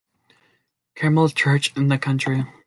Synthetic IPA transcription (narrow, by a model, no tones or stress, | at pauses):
kʰɛml̩ˠt͡ʃʰɜ˞t͡ʃɨ̃nðɨkʰʌ̃nt͡ʃɹ̥i